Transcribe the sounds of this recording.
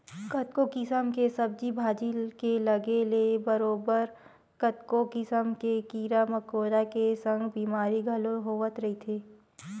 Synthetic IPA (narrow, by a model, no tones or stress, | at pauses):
kɐt̪kokɪsəmkesɐb̚d͡ʒibʱaːd͡ʒilkelɐɡelebɐɾoːbəɾ | kɐt̪kokɪsəmkekiːɾamɐkoːɾakesə̃ŋɡbiːmaːɾiɡʱɐloɦoːʋət̪ɾɐɦit̪ʰeː